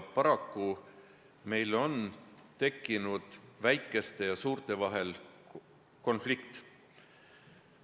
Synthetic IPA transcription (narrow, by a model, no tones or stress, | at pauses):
pɑɾɑkːu | me̞jlo̞nt̪e̞kːinud̪̥væjkˑːe̞st̪e̞jɑsuːɾt̪e̞vɑɦe̞l | ko̞nflikt̪